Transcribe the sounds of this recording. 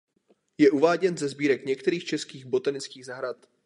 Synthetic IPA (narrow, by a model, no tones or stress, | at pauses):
jɛʔuvaːɟɛnzɛzbiːɾɛkɲɛkt̪ɛɾiːxt͡ʃɛskiːɣbo̞t̪anɪt͡skiːɣzaɦɾat̪